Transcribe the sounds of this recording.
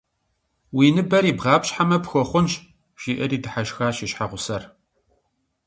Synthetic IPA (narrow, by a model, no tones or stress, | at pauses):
wiːnɨbɐɾiːbʁɑːpɕħamɐpxɔχʷʊnɕ | ʒiːʔɐriːdɨħaʃxaːɕɪɕħaʁʷʊsɐr